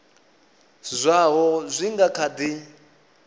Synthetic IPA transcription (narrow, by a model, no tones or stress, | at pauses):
zʷaɦɔzʷiŋɡakʰad̪i